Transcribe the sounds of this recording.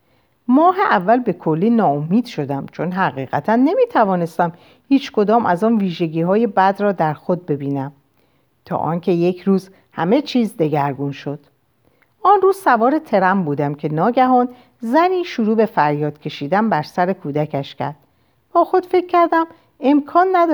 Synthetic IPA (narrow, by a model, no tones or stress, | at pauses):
mɒːɦe̞ʔævːælbe̞kʰo̞lːiːnɒːomiːd̪̥ʃo̞d̪æmt͡ʃʰo̞nɦæɣiːɣæt̪ʰænːe̞miːt̪ʰævɒːne̞st̪æm | hiːt͡ʃkʰo̞d̪ɒːmʔæzɒːnviːʒe̞ɟiːɦɒːje̞bæd̪rɒːd̪æɾxo̞d̪̚be̞biːnæm | t̪ʰɒ̰ːʔɒ̰ːncʰe̞je̞cʰɾuːz | hæ̰me̞t͡ʃʰiːzd̪e̞ɡæɾɡunʃo̞d̪̥ | ʔɒnruːzsævɒːɾe̞t̪ʰe̞ɾæmbuːd̪æmcʰe̞nɒːɟæɦɒːn | zæniːʃoɾuːbe̞fæɾjɒːd̪̥cʰe̞ʃiːd̪æmbæɾsæɾe̞kʰuːd̪æcʰæʃcʰæ̰ɾd̪̥̚ | b̥ɒːxo̞d̪̥fe̞cʰːæɾd̪æm | e̞mkʰɒːnːæd̪